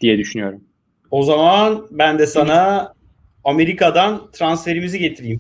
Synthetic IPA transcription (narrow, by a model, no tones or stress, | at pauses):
d̪̥ijɛd̪yʃynyjo̞ɾum | o̞zamanbænd̪ɛsana | ame̞ɾikad̪ant̪ʰɾansfe̞ɾimiziɟe̞t̪ʰiɾijːm